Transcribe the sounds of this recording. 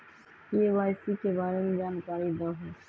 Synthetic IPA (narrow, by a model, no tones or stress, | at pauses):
jeʋaɪsikebaːɾemed͡ʒaːnkaːɾid̪əɦɛ